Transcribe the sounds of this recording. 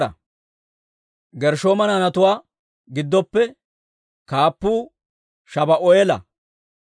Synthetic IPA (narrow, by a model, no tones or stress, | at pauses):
ɐ̰ | ɡɛɾʃoːmɐnɐnɐt̪ʊwaː | ɡɪd̪ːɔpːɛ | kaːpːuː | ʃɐbɐʔɔjɛlɐ̰